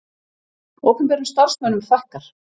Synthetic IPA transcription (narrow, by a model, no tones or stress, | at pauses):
ɔːkʏmpɛːɾʏst̪aɾ̥smœnʏmfɛhkaɾ̥